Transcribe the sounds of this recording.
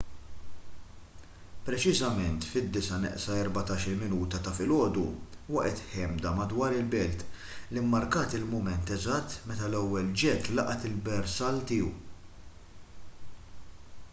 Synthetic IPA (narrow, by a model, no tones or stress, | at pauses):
pɾɛt͡ʃɪzɐmɛnt̪fɪd̪ːɪsɐnɛ̰ʔsɐɛɾbɐt̪ɐːʃɪlmɪnuːt̪ɐt̪ɐfɪlɔːd̪uwɐʔɛt̪ħɛmd̪ɐmɐd̪wɐːɾɪlbɛlt̪ | limːɐɾkɐːt̪ɪlmʊmɛnt̪ɛzɐt̪ːmɛt̪ɐlɛwːɛld͡ʒɛt̪ːlɐʔɐt̪ɪlbɛɾsɐlt̪ɪːṵ